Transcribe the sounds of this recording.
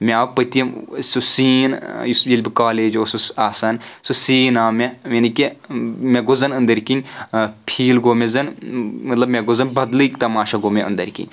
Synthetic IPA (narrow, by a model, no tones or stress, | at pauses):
meaːpɐt̪iɐsusiːnjjilʲbikaːleːd͡ʒosusaːsaːnsusiːnaːmemɐnikemeɡozɐnənd̪ɐɾʲkinʲpʰiːlɡomezɐnmɐt̪lɐbmʲeɡozɐnbɐd̪lɨkt̪ɐmaːʃaɡomeə̰nd̪ɐɾʲkḭnʲ